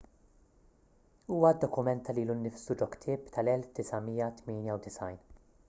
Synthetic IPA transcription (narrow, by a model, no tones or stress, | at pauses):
uːwɐd̪ːɔkʊmɛnt̪ːɐliːlunːɪfsud͡ʒɔkt̪ʰɪːpt̪ʰɐlɛlfd̪̥ɪsɐmiːjɐt̪mɪːnjɐwd̪ɪsɐjn